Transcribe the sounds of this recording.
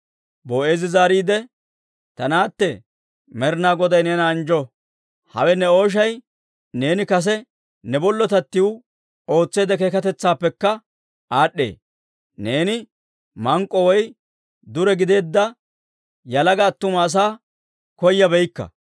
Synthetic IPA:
boːe̞ːzɪzaːɾiːd̪ɛ | t̪ɐnaːt̪ːɛ | mɛɾnaːɡɔd̪ɐjnɛːnɐːnd͡ʒɔ | hɐ̰wɛnɛo̞ːʃ̬ɐj | ne̞ːnɪkɐs̬ɛ | nɛbɔlːɔt̪ɐt̪ːɪwʊ | o̞ːt͡sːe̞ːd̪ɛkekɐt̪ɛt͡sːaːpːɛkːɐ | ʔaːɗːḛː | ne̞ːnɪ | mɐŋkʼːɔwɔj | d̪ʊɾɛɡɪd̪e̞ːd̪ːɐ | jɐlɐɡɐːt̪ːʊmɐːs̬aː | kɔjːɐbɛjkːɐ̰

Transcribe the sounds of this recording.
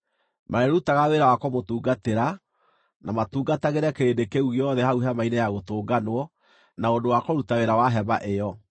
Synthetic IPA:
mʔaɾeɾutaɣaweɾawakɔmotuːɡateɾa | namatuːɡataɣeɾɛkeɾendekeuɣjɔðɛhauɦamainejaɣotoːɡanwɔ | naodowakɔɾutaweɾawaɦɛmaʔejɔ

